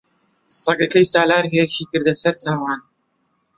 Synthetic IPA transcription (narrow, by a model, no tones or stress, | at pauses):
sˤɐɡɐkɐjsaːlaːɾɦeːɾɨʃiːkɨɾd̪ɐsɐɾtʰaːwaːn